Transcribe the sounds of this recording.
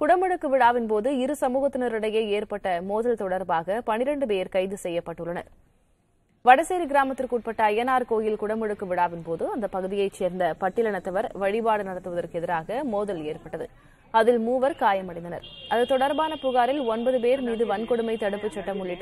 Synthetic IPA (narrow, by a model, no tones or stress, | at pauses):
kʊɽɐmɛɽɯkːɯʋɪɽaːʋɪnpoːðɯɪɾɯsɐmuːɣɐt̪ːɪnɐɾɪɽɐjeːeːɾpɐʈːɐmoːðɐlt̪ɔɽɐɾbaːɣɐpɐnɪɾɐɳɖɯp̬eːɾkɐɪðɯsɛjːɐpːɐʈːɯɭːɐnɐ̰ɾ | ʋɐɽɐseːɾiɡɪɾaːmɐt̪ːɪlkuːʈ̚pɐʈːɐːjɐnaːɾkoːjɪlkʊɽɐmɛɽɯkːɯʋɪɽaːʋɪnpoːðɯɐnd̪ɐpɐɣɯðɪjɐɪt͡ʃeːɾnd̪ɐpɐʈːɪlɐɳɐt̪ːɐʋɐɾʋɐɻɪbaːɽɯnɐɽɐt̪ːɯʋɐðɐrkɯɛðɪɾaːɣɐmoːðɐleːrpɐʈːɐðɯ̰ | ɐðɪlmuːʋɐɾkaːjɐmɐɽɐɪnd̪ɐnɐ̰ɾʔɐðɯt̪ɔɽɐɾbaːnɐpʊɣaːɾɪlɔnbɐðɯp̬eːɾmiːðɯʋɐnkɔɽɯmɐɪt̪ɐɽɯpːɯt͡ʃːɐʈːɐmʊɭːɪʈːɯ